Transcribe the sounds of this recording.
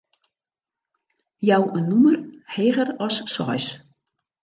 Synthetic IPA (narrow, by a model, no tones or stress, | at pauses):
jawənːumərheːɣərɔsːɔ̰js